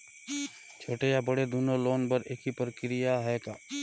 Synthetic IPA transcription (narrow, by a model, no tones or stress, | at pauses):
t͡ʃʰoːʈejabɐɽed̪uːnoloːnpɐɾeːkipɾəkɾɪjaɦɛkaː